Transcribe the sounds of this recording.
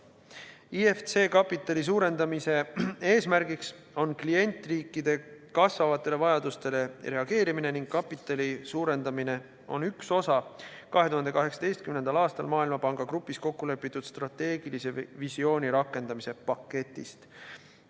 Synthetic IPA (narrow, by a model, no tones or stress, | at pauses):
ieft̪se̞ːkɑpːˑit̪ːˑɑlis̬uːɾe̞nd̪ɑmise̞e̞ːsmæɾɡiks | o̞nklie̞nʲt̪ːˑriːkːˑid̪̥e̞kɑsvɑvɑt̪ːˑe̞le̞vɑjɑd̪̥ust̪e̞le̞ɾe̞ɑɡ̥e̞ːɾimine̞niŋɡ̥kːɑpːˑit̪ːˑɑlisuːɾe̞nd̪ɑmine̞ | o̞̰nykso̞sɑkɑɦe̞t̪uɦɑnd̪ekɑɦeksɑ̥d̪e̞jst̪̚kymnend̪̥ɑlɑːst̪ɑlmɑːilmɑpɑŋɡ̥ɑkrupːˑisko̞kːule̞pːˑit̪ːˑud̪̥st̪rɑt̪ːe̞ːɡ̥ilise̞visio̞ːnʲiɾɑkːˑe̞nd̪ɑmise̞pɑkːe̞t̪ːˑḭst̪